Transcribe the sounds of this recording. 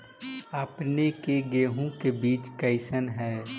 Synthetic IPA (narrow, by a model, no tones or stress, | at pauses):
əpnekeɡeːɦõkebiːt͡ʃkəɪsənɦɛː